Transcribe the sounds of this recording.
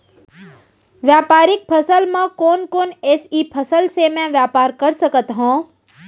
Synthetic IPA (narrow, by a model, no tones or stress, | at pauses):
ʋjaːpaːɾɪk̚pʰəsəlmãkoːnkoːneːsiːpʰəsəlsemɛ̃ʋjaːpaːɾkɐɾsəkət̪ɦõː